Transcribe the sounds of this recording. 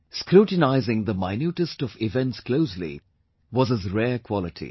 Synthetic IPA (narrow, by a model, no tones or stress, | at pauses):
skɾuːʈnaɪzɪ̃ŋd̪əmaɪnjuːʈəstɔvɪvɛ̃ntskloʊslḭ | wɔzəzɾɛːkʰw̥ɔlɪʈʰḭ